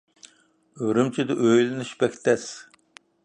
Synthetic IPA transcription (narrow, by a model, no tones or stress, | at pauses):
øɾɪmt͡ʃʰid̪ɪʔøjlɪnɪʃbɛkʲt̪ɛs